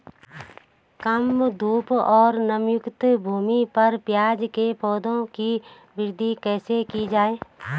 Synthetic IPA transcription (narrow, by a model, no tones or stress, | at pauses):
kəmd̪uːpɔːɾnəmjʊkt̪bʱuːmipɐɾpjaːd͡ʒkepʰɔːd̪õki | ʋɪɾd̪ʱikɛːsekid͡ʒaːeː